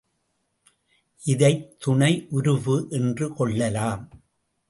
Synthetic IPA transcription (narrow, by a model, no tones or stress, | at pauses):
ʔɪðɐɪt̪ːʊɳɐɪʔʊɾɯʋɯʔɛndrɯkɔɭːɐlaːm